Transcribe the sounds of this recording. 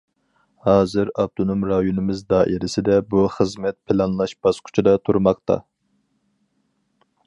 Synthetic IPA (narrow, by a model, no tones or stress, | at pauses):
hɑːzɪɾɑb̚t̪ʰonomɾɑjonɨmɪzd̪ɑːʔiɾɪsɪd̪ɛbuχəzmɛt̪̚pʰɪlˠɑnlˠɑʃb̥ɑsqʰʊ̥t͡ʃʰid̪ɑt̪ʰuɾmɑqt̪ɑ̰